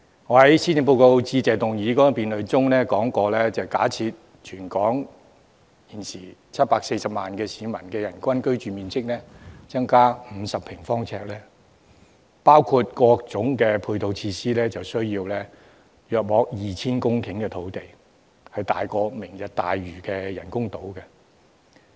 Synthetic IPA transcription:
ŋɔː˨˧ɦɐ˨˦˥jsiː˥t͡sɪ˧ŋp̬o˧wko˧wt͡siː˧t͡sɛː˨t̪ʊ˨ŋjiː˨˧˥kɔː˨˥piː˨nlɵ˨˧ɥt͡sʊ˥ŋnɛː˥kɔː˨˥ŋkɔː˧lɛː˥t͡sɐ˨wka̰ː˨˥t͡sʰiː˧t̚ | t͡ʃʰyː˨˩nkɔː˨˥ŋ | jiː˨˩nsiː˨˩t͡sʰɐ˥t̚paː˧k̚se˧jsɐ˨p̚maː˨nkɛː˧siː˨˧mɐ˨˩nkɛː˧jɐ˨˩nkʷɐ˥nkɵ˥ɥt͡ʃyː˨miː˨˧nsɪ˥k̚nɛː˥t͡sɐ˥ŋkaː˥m̩˨˧sɐ˨pʰɪ˨˩ŋfɔː˥ŋt͡sʰɛː˧k̚lɛː˥ | paː˥wkʰuː˧t̚kɔː˧k̚t͡sʊ˨˥ŋkɛː˧pʰuː˧t̪o˧wt͡sʰiː˧siː˥lɛː˥t͡sɐ˨wsɵ˥ɥjiː˧wlɛː˥ | jœː˨˩k̚mɔː˨˧˥k̚jiː˨t͡sʰiː˥nkʊ˥ŋkʰɪ˨˥ŋkɛː˧t̪ʰo˨˥wt̪e˨˩j | hɐ˨˧jt̪a̰ː˨jkɔː˧mɪ˨˩ŋjɐ˨t̚t̪aː˨jɥyː˨˩kɛː˧jɐ˨˩nkʊ˥ŋt̪o˨˥wkɛ˧

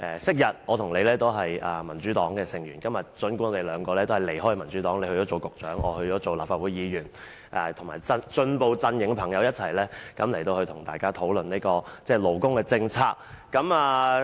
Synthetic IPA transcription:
ʔɛː˨˩sɪ˥k̚jɐ˨t̚ʔɔː˨˧t̪ʰʊ˨˩ŋle˨˧jlɛː˥t̪o˥wɦɐ˨jaː˨˩mɐ˨˩nt͡ʃyː˨˥t̪ɔː˨˥ŋkɛː˧sɪ˨ŋjyː˨˩nkɐ˥mjɐ˨t̚t͡ʃɵ˨˥nku˥ŋɔ˨˧te˨˧lœː˨˧ŋkɔː˧lɛː˥t̪o˥ɐ˨jle˨˩jhɔː˥jmɐ˨˩nt͡ʃyː˨˥t̪ɔː˨˥ŋle˧jhɵ˧jɔː˨˦t͡so˨˩wkʊ˨k̚t͡ʃœ̰ː˨˥ŋʔɔ̰ː˨˧hɵ˧ɥt͡sɔː˨˥t͡so˨wlaː˨pfaː˧u˨˥jiː˨˧jyː˨˩n | ʔɛː˨˩t̪ʰŋmaː˨˩jt͡sɐ˧nt͡ʃɵ˧npo˨˧wt͡sɐ˧njɪ˨˩ŋkɛ˧pʰɐ˨˩ŋjɐ˨˧wjɐ˥t̚t͡sʰɐ˨˩jlɛː˥kɐ˨˧mle˨˩t̪o˧wht̪ʰʊ˨˩ŋt̪aː˨jkaː˥t̪ʰo˨˥wlɵ˨ni˥kɔː˧t͡sɛː˥˩lo˨˩wkʊ˥ŋkɛ˧t͡sɪ˧ŋt͡sʰaː˧k̚kːɐ˨˥maː˨˧

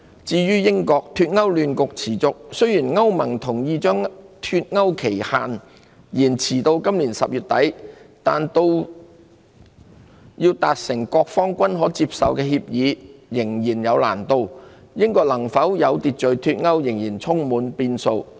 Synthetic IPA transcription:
t͡siː˧jyː˥jɪ˥ŋkɔː˧k̚t̪ʰyː˧t̚ŋɐ˥wlyː˨˧nkʊ˨k̚t͡sʰiː˨˩t͡sʊ˨k̚sɵ˥ɥjiː˨˩nŋɐ˥wmɐ˨˩ŋt̪ʰʊ˨˩ŋjiː˧t͡ʃœː˥ŋt̪ʰyː˧t̚ŋɐ˥wkʰe˨˩jha̰ː˨n | jiː˨˩nt͡sʰiː˨˩t̪o˧wkɐ˥mliː˨˩nsɐ˨p̚jyː˨t̚t̪ɐ˨˥jt̪aː˨nt̪o˧w | jiː˧wt̪aː˧t̚sɪ˨˩ŋkɔː˧k̚fɔː˥ŋkʷɐ˥nɦɔː˨˥t͡si˧p̚sɐ˨wkɛː˧ɦiː˧p̚jiː˨˧jɪ˨˩ŋjiː˨˩njɐ˨˧wla̰ː˨˩nt̪o˧w | jɪ˥ŋkɔː˧k̚lɐ˨˩ŋfɐ˨˥wjɐ˨˧wt̪iː˨t̚t͡ʃɵ˨ɥt̪ʰyː˧t̚ŋɐ˥wjɪ˨˩ŋjiː˨˩nt͡sʰʊ˥ŋmuː˨˧npiː˧nso˧w

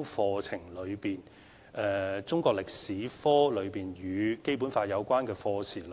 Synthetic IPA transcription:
fɔː˧t͡sʰɪ˨˩ŋlɵ˨˧ɥpiː˨˩n | ɛː˨t͡sʊ˥ŋkɔː˧k̚lɪ˨k̚siː˨˥fɔː˥lɵ˨˧ɥpiː˨njyː˨˧ke˥jp̬u˨˥nfaː˧jɐ˨˧wkʷaː˥nkɛː˧fɔː˧sʰiː˨˩l

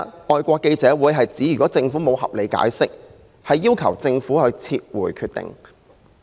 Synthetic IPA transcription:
ɔː˨jkʷɔː˧kːe˧jt͡sɛː˨˥wuː˨˧jɦɐ˨jt͡siː˨˥jy˨kɔː˨˥t͡sɪ˧ŋfuː˨˥mo˨˧whɐ̰˨p̚le˨˧jka̰ː˨˥jsɪ˥k̚ | hɐ˨jːiː˥wkʰɐ˨˩wt͡sɪ˧ŋfuː˨˥hɵ˨˧t͡sʰiː˧t̚wuː˨˩jkʰyː˧t̚t̪ɪ̰˨ŋ

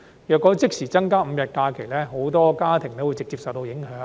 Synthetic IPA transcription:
jœː˨kːɔː˨˥t͡sɪ˥k̚siː˨˩t͡sɐ˥ŋkaː˥m̩˨˧jɐ˨t̚kaː˧kʰe˨˩jlɛː˥ɦo˨˥wt̪ɔː˥kaː˥t̪ʰɪ˨˩ŋlɛ˨˥wu˧jt͡sɪ˨k̚t͡siː˧p̚sɐ˨wt̪o˧wjɪ˨˥ŋɦœː˨˥

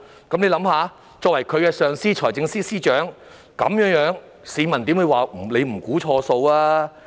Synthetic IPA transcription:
kɐ˨˥mle˧jlɐ˨˧˥mhaː˨˧ | t͡sɔː˧k̚wɐ˨˩jkʰɵ˨˧ɥkɛː˧sœː˨˧ŋsiː˥t͡ʃʰɔː˨˩jt͡sɪ˧ŋsiː˥siː˥t͡ʃœː˨˥ŋ | kɐ̰˨˥mjœː˨˥ŋjœː˨˥ŋ | siː˨˧mɐ˨˩nt̪i˨˥wu˨˧jwaː˨m̩˨˩le˨˧jm̩˨˩kuː˨˥t͡ʃʰɔː˧so˧waː˥

